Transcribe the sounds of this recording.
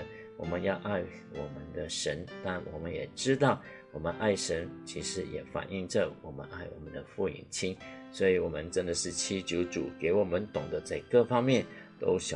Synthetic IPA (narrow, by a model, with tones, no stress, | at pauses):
wɔ˨˩mə˧˦njɑ˥˧ʊʔa˥˩ɪ | wɔ˨˩mə˧˦nd̪ə˧ʂə˧˥nt̪a˥˩nwɔ̰˨˩mə˦njɛ˨˩ʈ͡ʂɻ̩˥t̪ɑ˥˩ʊ | wɔ˨˩mə˦nʔa˥˩ɪʂə˧˥nt͡ɕʰi˧˥ʂɻ̩˧˥jɛ̰˨˩fa̰˨˩ni˥˧ŋʈ͡ʂə˥˨wɔ˨˩mə̰˦nʔa˥˩ɪwɔ̰˨˩mə˦nd̪ə˧fu˥˩ḭ˨˩ŋt͡ɕʰi˥nswɔ˧˥i˨˩wɔ˨˩mə˦nʈ͡ʂə˥nd̪ə˨ʂɻ̩˥˩t͡ɕʰi˥t͡ɕju˧˥ʊʈ͡ʂṵ˨˩ke˧˥ɪwɔ˨˩mə˦nt̪ʊ˨˩ŋd̪ə˦t͡sa˥˧ɪkɤ˥˨fɑ˥ŋmjɛ˥˩nt̪o̰˥ʊɕjɑ˨